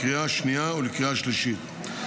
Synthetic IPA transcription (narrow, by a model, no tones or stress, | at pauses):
ʁiaʃniaulikʁiaʃliʃit̪